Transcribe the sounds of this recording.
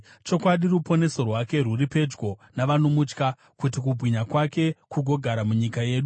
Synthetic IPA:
t͡ʃo̞kwaɗirupo̞ne̞so̞rwake̞ruripe̞d͡ʒɡo̞naʋanomut͡ʃka | kutik̬ubʱwiɲakwake̞kuɡʱo̞ɡʱaɾamuɲikaje̞ːɗu

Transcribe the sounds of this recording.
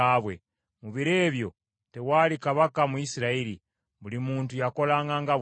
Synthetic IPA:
aβwe̞̰ | muβiɾeːβjo̞ | te̞waːlikaβakamuisiɾaiɾi | βulimuːnt̬ujako̞laːŋɡaŋɡa

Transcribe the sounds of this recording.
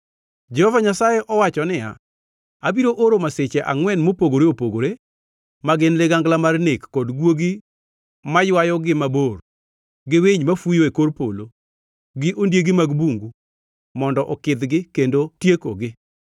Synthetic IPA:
d͡ʒɛhɔvaɲasajeʔɔwat͡ʃɔnɪja̰ | abiɾoʔoɾomaset͡ʃeʔaŋwɛnmopoɡoɾeopoɡoɾe | maɡɪnlɪɡaŋɡlamarnɪkːɔdɡwoɡi | majwajɔɡɪmabor | ɡɪweɲmafujoekorpolo | ɡɪʔondjeɡimaɡbuŋɡu | mɔndɔʔɔkɪd̪ɡɪkendotjeko̰ɡɪ

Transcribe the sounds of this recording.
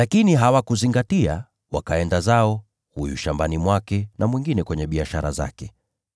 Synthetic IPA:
lakiniɦawakuziŋɡatia | wakaɛndazaɔ | hujuʃambanimwakɛnʔamwiŋɡinɛkwɛɲɛɓiaʃaɾa̰za̰kɛ

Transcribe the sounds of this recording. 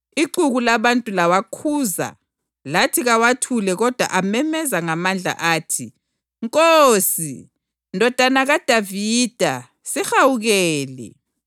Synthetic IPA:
iǃuɣulaβantʼulawakʰuːza̰ | latʰiɣawatʰulɛɣɔd̥ʱwa̰ʔamɛmɛzaŋamand͡ɮʱa̰ʔaːtʰi | ŋkʼoːsi | ndʱɔd̥ʱanaɣad̥ʱaviːd̥ʱa | sixawuɣɛːlɛ̰

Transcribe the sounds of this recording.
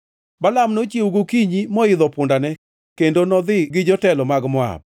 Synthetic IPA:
balamnot͡ʃjeuɡokiɲimɔɪðɔpʊndanɛ | kendonɔd̪ɪɡɪd͡ʒɔtɛlɔmaɡmwa̰b̚

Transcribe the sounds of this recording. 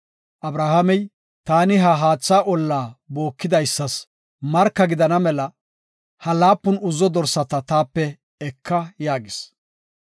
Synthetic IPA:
ʔɐbɾahɐmɛj | t̪aːnɪɦɐɦaːt͡sːaːʔɔlːaːbo̞ːkːɪd̪ɐjsːɐs | mɐɾkːɐɡɪd̪ɐnɐmɛlɐ | hɐlaːpːʊnʊzːɔd̪ɔɾsɐt̪ɐt̪aːpːɛ | ɛkʰːɐjaːɡɪs

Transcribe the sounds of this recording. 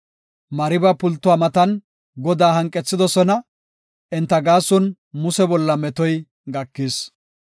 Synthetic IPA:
mɐɾɪbɐpʊlt̪ːʊaːmɐt̪ɐn | ɡɔd̪aːɦɐŋkʼːɛt͡sːɪd̪ɔsɔnɐ | ʔɛnt̪ːɐɡaːsɔn | mʊsɛbɔlːɐmɛt̪ɔj | ɡɐkːis

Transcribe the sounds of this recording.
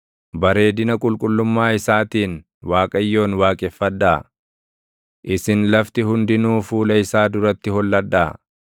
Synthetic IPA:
bɐɾe̞ːd̪ɪnɐkʼʊlkʼʊlːʊmːaːɪsaːt̪iːn | waːkʼɐjːo̞ːnwaːkʼɛfːɐd̪ːaː | ʔɪsɪnlɐft̪ɪhʊnd̪ɪnuːfuːlɐɪsaːd̪ʊɾɐt̪ːɪhɔlːɐd̪ːaː

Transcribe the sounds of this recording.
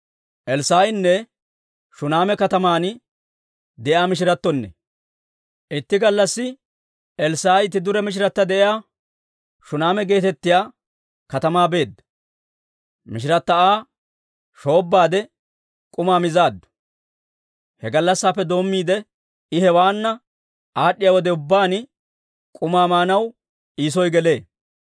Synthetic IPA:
ʔɛlsaːjnːɛ | ʃʊnaːmɛkɐt̪ɐmaːn | d̪ɛʔjaːmɪʃ̬ɪɾɐt̪ːɔnːɛ̰ | ʔɪt̪ːɪɡɐlːɐsːɪ | ɛlsaːjt̪ɪd̪ʊɾɛmɪʃ̬ɪɾɐt̪ːɐd̪ɛʔɪjaː | ʃʊnaːmɛɡe̞ːt̪ɛt̪ːɪjaː | kɐt̪ɐmaːbe̞ːd̪ːɐ | mɪʃɪɾɐt̪ːɐaː | ʃo̞ːbːaːd̪ɛ | kʼʊmaːmɪzaːd̪ː | hɛɡɐlːɐsːaːpːɛd̪o̞ːmːiːd̪ɛ | ɪɦɛwaːnːɐ | aːɗɪjaːwɔd̪ɛʊbːaːnɪ | kʼʊmaːmaːnɐw | iːs̬ɔjɡɛle̞ː

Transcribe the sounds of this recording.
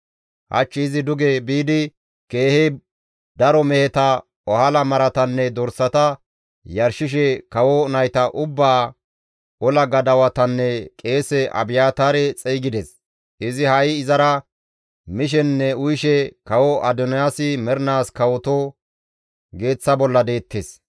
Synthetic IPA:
hɐ̰t͡ʃːɪzɪd̪ʊɡɛbiːd̪ɪ | ke̞ːhɛ | d̪ɐɾɔmɛhɛt̪ɐ | ɔhɐlɐmɐɾɐt̪ɐnːɛd̪ɔɾsːɐt̪ɐ | jɐɾʃɪʃ̬ɛkɐwɔnɐjt̪ɐʔʊbːaː | ɔlɐɡɐd̪ɐwɐt̪ɐnːɛkʼe̞ːsɛʔɐ̰bɪjaːt̪aɾɛt͡sʼɛjɡɪd̪ɛs | ʔɪzɪhɐjɪɪzɐɾɐ | mɪʃ̬ɛnːɛʊjʃɛkɐwɔʔɐd̪ɔnjasɪmɛɾnaːskɐwɔt̪ɔ | ɡe̞ːt͡sːɐbɔlːɐd̪e̞ːt̪ːes

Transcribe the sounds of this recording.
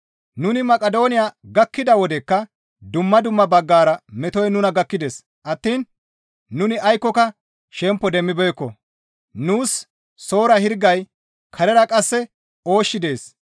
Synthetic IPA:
nʊnɪmɐkʼɐd̪o̞ːnɪjaːɡɐkːɪd̪ɐwɔd̪ɛkːɐ | d̪ʊmːɐd̪ʊmːɐbɐɡːaːɾɐmɛt̪ɔjnʊnɐɡɐkːɪd̪e̞ːs | ʔɐt̪ːiːn | nʊnɪʔɐjkːɔkɐ | ʃɛmpːɔd̪ɛmːɪbejkːɔ̰ | nuːsː | o̞ːɾɐhɪɾɡːɐj | kʰɐɾɛɾɐkʼɐsːɛ | o̞ːʃːɪd̪e̞ːs

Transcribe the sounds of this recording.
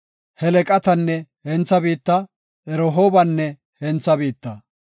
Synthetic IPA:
hɛlɛkʼɐt̪ɐnːɛhɛnt͡sːɐbiːt̪ːɐ | ʔɛɾɔɦoːbɐnːɛ | hɛnt͡sːɐbiːt̪ːɐ

